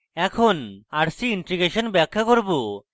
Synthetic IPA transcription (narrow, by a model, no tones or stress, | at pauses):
ɛkʰonaɾsiiɳʈɾiɡeʃonbɛkʰːakoɾbo